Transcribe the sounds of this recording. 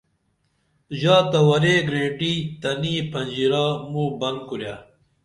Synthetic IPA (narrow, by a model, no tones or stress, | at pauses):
ʑaːt̪ɐwɐɾeːɡɾẽːʈiːt̪ɐniːpɐnʲd͡ʑiɾaːmuːbɐn̚kuɾja